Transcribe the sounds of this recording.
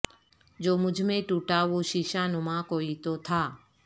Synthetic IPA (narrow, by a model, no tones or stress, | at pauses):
d͡ʒoːmʊd͡ʒʱmẽʈuːʈaʋoːʃiʃaːnʊmãːkoːit̪ot̪ʰaː